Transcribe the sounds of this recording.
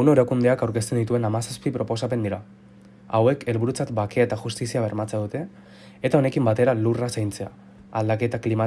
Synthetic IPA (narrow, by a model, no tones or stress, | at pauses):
unoeɾakund̪e̞akawɾke̞st̪e̞nd̪it̪ue̞namasaspipɾo̞po̞s̬ape̞nd̪iɾa | awe̞kʰe̞lβuɾut͡sat̪bakeaet̪axust̪isiaβ̞e̞ɾmat͡seaðut̪e̞ː | t̪ao̞ne̞kimbat̪e̞ɾalurasajnt͡se̞a̰ | ald̪ake̞t̪aklima